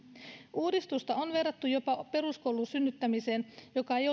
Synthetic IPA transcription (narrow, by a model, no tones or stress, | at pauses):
ʔuːdist̪ust̪ɑonʋe̞rːɑt̪ːujo̞pɑpe̞rusko̞wlunsynːyt̪ːæmise̞ːnjo̞kɑe̞jo